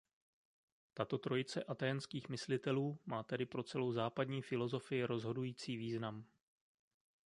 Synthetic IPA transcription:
t̪at̪o̞t̪ɾo̞jɪt͡sɛʔat̪ajɛnskiːxmɪslɪt̪ɛluːmaːt̪ɛdɪpɾo̞t͡sɛlo̞wzaːpadɲiːfɪlo̞zo̞fɪjɪɾo̞zɦo̞dujiːt͡siːviːznam

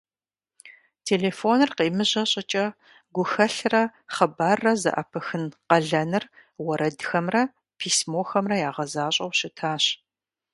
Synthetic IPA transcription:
tʰeːleːfoːnɨrqiːmɨʑɐɕʼɪt͡ʃʼɐ | ɡʷʊxɐɬrɐχɐbaːrːɐzɐ̰ʔɐ̰pʰɐxɨnqɐɮɐnɨrwɐɾɐdxɐmrɐ | pʰiːsmoːxɐmrɐjaːʁɐzaːɕʼɐwɕɪtʰaːɕ

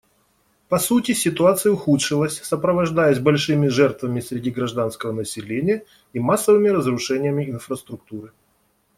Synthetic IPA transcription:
pɐsutʲɪsʲɪt̪ʊat̪sɨjəʊxutʂɨlˠəsʲsəpɾəvɐʐd̪ajəsʲbɐlʲʂɨmʲɪʐɛrt̪vəmʲɪsʲɾʲɪdʲiɡɾɐʐd̪anskəvənəsʲɪlʲenʲɪjə | imasːəvɨmʲɪɾəzrʊʂɛnʲɪjəmʲɪɪnfɾəst̪ɾʊk̚t̪uɾɨ

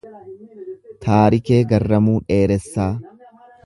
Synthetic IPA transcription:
t̪ʰaːɾɪke̞ːɡɐrːɐmuːᶑe̞ːɾɛsːaː

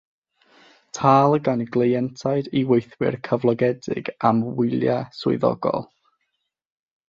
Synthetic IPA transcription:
tʰaːlˠəɡaniɡlˠejɛntʰajdiwejθwɪ̰rkʰəvlˠɔɡɛdɪ̰ɡamwɪlˠjaswʊ̰ðɔ̰ɡɔ̰lˠ

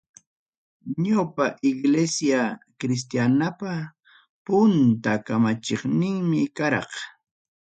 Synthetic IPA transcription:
ɲapaʔɪɡlesjakɾɪs̬t̪janapa | pʊnt̪akamat͡ʃeχnɪŋmɪkaɾɑ̰q

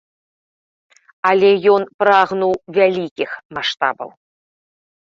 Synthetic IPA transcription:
alʲɛjɔnpɾaɣnuwvʲalʲikʲixmaʂt̪a̰bɐ̰w

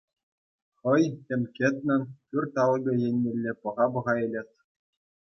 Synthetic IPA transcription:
χɤ̆jʲĕmʲkʲĕt̪ʲnʲɘ̆npʲyrʲt̪ɑlˠɡʲɤ̆jĕnʲːĕlʲːepɤ̆ʁɑbɤ̆ʁɑelʲet̪ʲ

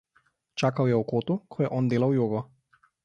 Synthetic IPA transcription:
t͡ʃakawjɛukot̪ukʰɔjɛʔɔnd̪elawjɔɡɔ

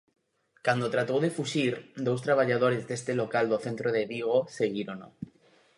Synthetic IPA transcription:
kand̪ot̪ɾat̪owðe̞fuʃiɾd̪ows̬t̪ɾaβ̞aʎaðoɾe̞zðest̪elokald̪oθẽnt̪ɾoð̞eβiɣ̞oseɣiɾono̰

